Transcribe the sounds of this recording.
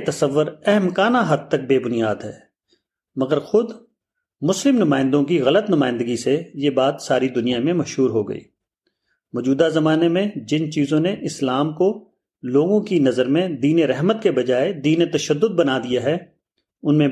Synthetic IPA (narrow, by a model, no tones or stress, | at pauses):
t̪ɐsəʋːʊɾɛɦɛmkaːnaɦɐd̪̚t̪ɐk̚beːbʊnijaːd̪ɦɛ̰ː | mɐɡəɾxʊd̪ | mʊslɪmnʊmaːɪ̃nd̪õkiɣɐlət̪nʊmaːɪ̃nd̪əɡisejebaːt̪saːɾid̪ʊnijamẽmɐʃɦuːɾɦoɡɐ̰ḭː | mɔːd͡ʒuːd̪azɐmaːnemẽd͡ʒɪnt͡ʃiːzõneʔɪslaːmko | loːɡõkinɐzəɾmẽd̪iːneɾɛɦmət̪kebɐd͡ʒaːed̪iːnet̪ɐʃəd̪ːʊd̪̚bɐnad̪ijaɦɛː | ʊnmẽ